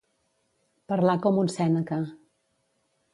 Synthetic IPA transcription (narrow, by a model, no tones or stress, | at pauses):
pəɾlakɔmunsɛnəkə